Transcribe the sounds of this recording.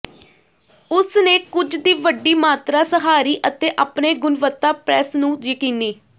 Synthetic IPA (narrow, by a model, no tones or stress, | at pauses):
ʊsneːkʊd͡ʒd̪iːʋəɖiːmaːt̪ɾaːsəɦaːɾiːʔət̪eːʔaːpneːɡʊnʋət̪ːaːpɾɛːsnũːd͡ʒəkĩːniː